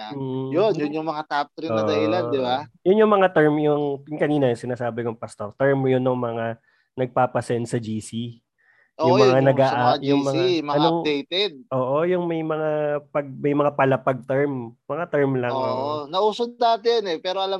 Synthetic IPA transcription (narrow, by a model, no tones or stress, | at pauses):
m̩ːjonjʊnjʊŋmɐŋak̪ap̚t̪ɾɪnoɐd̪ɐhɪlad̪ɪbajʊnjʊŋmɐŋat̪ɛɹmjʊŋjʊŋkɐniːnɐjʊŋsɪnaːsaːbɪŋoŋpɐst̪o̞ɾt̪ɛɹmjʊnːʊŋmɐŋa | nɐɡ̚paːpɐsɛnt̪sɐd͡ʒiːsi | ʔojʊmjmɐŋanɐɡaːʔajʊŋmɐŋamɐɐnoɐŋd̪ejt̪ɛd̪̚ʔoːʔo̞jʊŋmɐjmɐŋapɐɡ̚mɐjmɐŋapɐlɐpɐɡ̚t̪ɛɹmːɐŋat̪ɛɹmlɐŋŋoonɐʔuːsod̪aːt̪ɪjɐnɛpɛːɾoʔɐlam